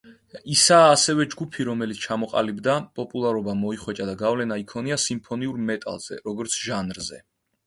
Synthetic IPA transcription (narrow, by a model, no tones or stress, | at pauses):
isaːsɛvɛd͡ʒɡupʰiɾɔmɛlit̪sʰt͡ʃʰamɔqʼa̰libd̪apʼɔpʼulˠaɾɔbamɔiχwɛt͡ʃʼad̪aɡavlɛnaikʰɔniasimpʰɔniuɾmɛt̪ʼa̰lˠz̥ɛ̰ɾɔɡɔɾt̪sʰʒanɾzɛ̰